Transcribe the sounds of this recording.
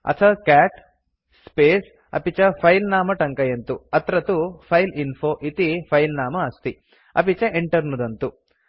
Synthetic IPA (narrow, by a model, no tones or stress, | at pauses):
ɐ̰t̪ʰɐkaːʈ | speːs | ɐ̰pit͡ʃɐpʰɐjlnaːmɐʈɐŋkɐjɐnt̪uɐt̪ɾɐt̪upʰɐjlinpʰoːʔit̪ipʰɐjlnaːmɐːst̪i | ɐ̰pit͡ʃɐʔeɳʈɐɾnud̪ɐnt̪u